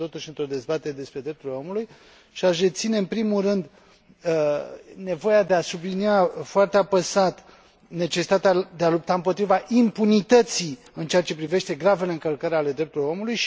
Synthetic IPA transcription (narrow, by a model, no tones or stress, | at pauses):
t̪o̞t̪uʃɨnt̪ɾo̞d̪e̞zbat̪e̞ɾed̪e̞spɾed̪ɾe̞p̚t̪ulo̞muluj | ʃiaʃd̪e̞t̪sine̞ɨnpɾimulrɨnd̪ | ne̞vo̞jad̪e̞asubliniafoart̪eapəsat̪ | ne̞t͡ʃe̞si̥t̪at̪ead̪e̞alup̚t̪aɨmpo̞t̪ɾivaʔimpunit̪ət̪si | ɨnt͡ʃeat͡ʃe̞pɾive̞ʃt̪e̞ɡɾave̞le̞ɨŋkəlkəɾeale̞d̪ɾe̞p̚t̪uɾljo̞mulujʃ